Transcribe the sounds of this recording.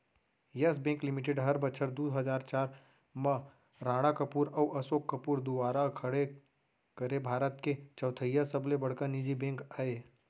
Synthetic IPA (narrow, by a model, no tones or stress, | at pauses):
jɐs̬bẽːŋklɪmɪʈ̬eɖɦɐɾbət͡ʃʰəɾd̪uːɦɐd͡ʒaːɾt͡ʃaːɾ | mə̃ | ɾaːɽ̃akɐpuːɾɐwʔɐsoːkːəpuːɾd̪ʊʋaːɾakʰɐɽe | kəɾebʱaːɾət̪ket͡ʃɐʊt̪ʰəjasəblebɐɽ̤kanid͡ʒibẽːŋkaːe